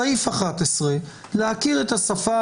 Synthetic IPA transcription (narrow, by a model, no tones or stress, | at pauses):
aifaχat̪esʁe | leakiʁe̞t̪asafa